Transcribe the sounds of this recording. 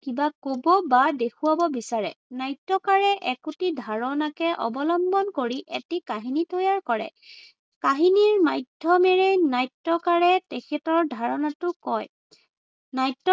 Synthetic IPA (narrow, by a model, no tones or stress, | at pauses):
kibakobɔbadekʰuwabɔbisaɹɛnajtːɔkaɹɛʔɛkutidʱaɹɔnakɛʔɔ̰bɔlɔmbɔnkoɹiʔɛ̰tikaɦinitɔjaɹkɔɹɛ̰ | kaɦiniɹmajdʱɔmɛɹejnajtːɔkaɹɛtɛkʰɛtɔɹdʱaɹɔnatʊkɔj | najtːɔ